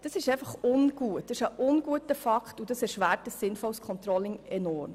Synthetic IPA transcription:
d̥ɑsɪʃɛɪfɑχʊnɡ̥uət̚d̥ɪʃəʔʊnɡ̥uətəfɑktud̥ɑsɛɾʃʋæːɾt̚d̥əsːɪnfɔlskʰɔnt̪rɔlɪŋɛnɔrm

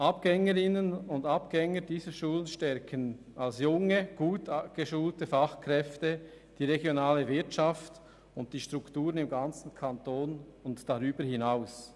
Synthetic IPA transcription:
ʔapɡ̥ɛŋəɾɪnənʊndapɡ̥ɛŋəd̥iːzəʃuːlənʃtɛɾkʰən | alsjʊŋəɡ̥uːtaɡ̥əʃuːltəfaχkɾɛftə | d̥iːʁeɡjonaːləvɪɐtt͡ʃaft | ʊnt̚d̥iːʃtʁuktuːɾənɪmɡant͡sn̩kʰantoːnʊntd̥aʁyːbəhɪnaʊs

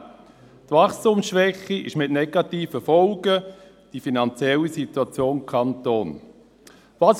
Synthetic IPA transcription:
tvɑχstʊmsʃʋɛχiɪ̰ʃmɪtnɛɡɑtiːfəfɔlɡə | d̥ifinɑnt͡sjɛlisituat͡sjoːnkʰɑntoːn | vɑːs

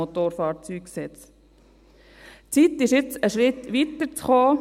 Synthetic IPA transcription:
ot̪oːɾfɑːɾt͡syːksɛt͡s | t͡sit̪ɪʃjɪt͡səʃɾɪt̪ʋit̪əɾt͡sχoː

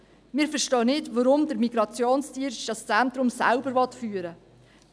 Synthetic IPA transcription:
mɪːɾfəɾʃtɔːnɪtʋɔɾʊmdəɾmiɡɾɑt͡sjoːnstiənʃd̥ɑst͡sæntɾʊmsæ̰lbəɾvɔt̪fyːəɾə

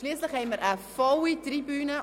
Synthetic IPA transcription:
ʃliːslɪxhɛɪməɾʔəfɔwitribyːnə

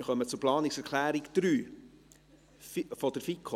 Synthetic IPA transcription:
ɪχœmət͡sʊɾplɑːnɪksɛɾkʰlæːɾiɡd̪̥ɾyː | fɔd̥əɾfikʰo

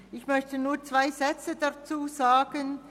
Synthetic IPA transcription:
ɪçmœçtənuːɐt͡sv̥aɪzɛt͡sədat͡suːzaːɡ̥ən

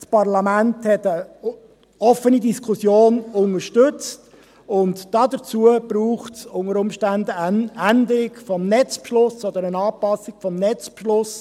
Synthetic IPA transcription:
spɑʁlɑmænthɛtə | ɔfənidiskʰʊsjoːnʊŋəɾʃtʏt͡st | ʊntd̥ɑːd̪ət͡suəb̥ɾuːχtsʊŋəɾʊmʃtænd̪əændɪkfɔmnɛt͡spʃlʊsɔd̪əɾənɑːpɑsɪkfɔmnɛt͡spʃlʊs

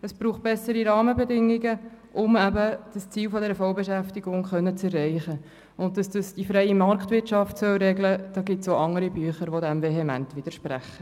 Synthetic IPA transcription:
əsb̥ɾuːχt̚b̥ɛsəɾiɾɑːməbɛdɪŋːiɡəʔʊmæbəd̥əst͡siːlfɔd̪ɛɾəfɔwbɛʃæftiɡʊŋχœnːət͡sɛrːɛɪχə | ʊnt̚d̥ɑsd̥ɑsd̥ifɾɛjimɑɾktʋɪtt͡ʃɑftsœlɾɛɡləd̥ɑːɡɪtsoʔɑŋəɾibyəχəɾʋodæmveɦɛmæntvʋɪd̥əɾʃpɾæ̰χːə

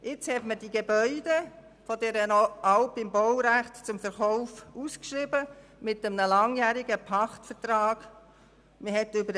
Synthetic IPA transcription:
ɪt͡shɛtməd̥iɡebœʏd̥e | fɔdɛɾənɑlpɪmbɔwɾæχtt͡sʊmfəɾχɔʊfuskʃɾɪbə | mɪtəmnəlɑŋjæːɾɪɡəpʰɑχtfətrɑːɡ̥ | məɦɛtʏbəɾ

